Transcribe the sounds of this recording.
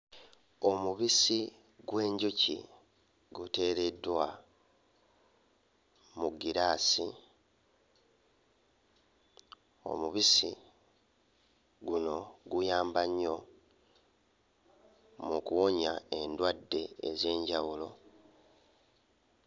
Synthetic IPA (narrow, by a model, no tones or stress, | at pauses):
o̞muβisi | ɡwe̞ːɲɟucḭ | ɡute̞ːɾe̞dːwa | muɡːiɾaːsi | o̞̰muβisi | ɡuno̞ɡujaːmbaɲːo̞ | mukuwo̞ɲae̞ndwadːe̞̰ːze̞ːɲɟawulo̞